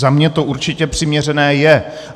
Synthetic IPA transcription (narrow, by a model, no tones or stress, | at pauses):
zamɲɛt̪o̞uɾt͡ʃɪcɛpr̥ɪmɲɛr̝ɛnɛːjɛ